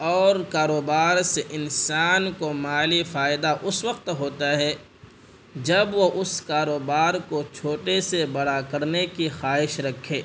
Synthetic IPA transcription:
ɔːɾkaːɾoːbaːɾseʔɪnsaːnkomaːlifaːɪd̪aʔʊswəqt̪ɦoːt̪aɦɛ | d͡ʒɐbʋoʔʊskaːɾoːbaːɾkot͡ʃʰoːʈesebɐɽakɐɾnekixaːɦɪʃɾɐkʰːeː

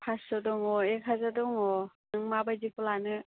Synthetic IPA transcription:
pʰasɔdɔŋɔekʰazadɔŋɔnɯŋmabajzipɔlanɯ

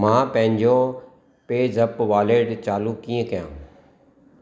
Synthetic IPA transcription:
mãːpɐ̃ɦɪ̃ɲd͡ʑo | peːzɐpʋaːleːɖt͡ɕaːlukiːə̃kɐjãː

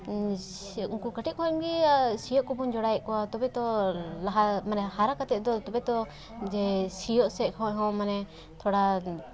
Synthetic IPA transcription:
uŋkukəʈit̪̚kʰɔɛmɡisijɔʔkɔbund͡ʒɔɽajɛʔkɔwat̪ɔbɛt̪ɔlaɦamanɛhaɾakat̪ɛʔd̪ɔt̪ɔbɛt̪ɔ | d͡ʒɛsijɔʔsɛʔkʰɔ̃ɛɦɔ̃manɛ | t̪ʰɔɽa

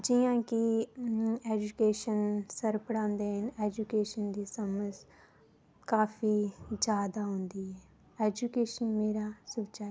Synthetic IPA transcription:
d͡ʒɪjãːki | eːd͡ʒukeːʃənsəɾpəɽãːnd̪eːɦəneːd͡ʒukeːʃənd̪iːsəməs | kaːfiːd͡ʒaːd̪aɦõːnd̪iːɦɛː | eːd͡ʒukeːʃənmeːɾaːsʊt͡ʃa

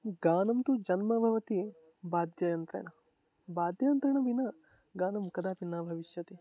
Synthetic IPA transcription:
ɡaːnɐmt̪ud͡ʒɐnmɐbʱɐʋɐt̪i | baːd̪jɐjɐnt̪ɾɐ̰ɳɐ | baːd̪jɐjɐnt̪ɾɐɳɐbinɐ | ɡaːnɐmkɐd̪aːpinːaːbʱɐʋiʃjɐt̪i

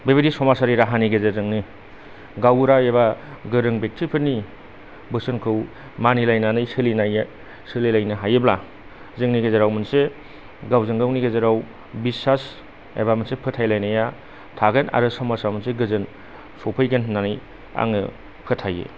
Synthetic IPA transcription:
bebedisɔmasaɾiɾaɦaniɡezezɯŋni | ɡawɾaebaɡɯɾɯŋbek̚tʰipʰɯnːi | bɯsɯnkʰɯw | manilajnanɯjsɯlinaj | sɯlilajnɯɦajebla | zɯŋniɡezeɾawmɯnse | ɡawzɯŋɡawniɡezeɾaw | bisas | ḛbamɯnsepʰɯtʰajlajnaja | tʰaɡɐna̰ɾɯsɔmasamɯnseɡɯzɯn | sɔpʰɯjɡɐnnːanɯj | a̰ŋɯ | pʰɯtʰajḛ

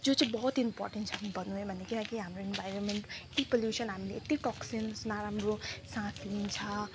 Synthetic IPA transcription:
d͡zot͡sãĩbʌɦut̪impɔ̰rʈenʈt͡sʰʌkibʌnuɦebʱʌnd̪ekilãkiɦamroenbʱajɾənmeɳʈet̪ipoljusʌnɦamileet̪iʈɔksinsnaɾamrosãsʰint͡sʰʌ

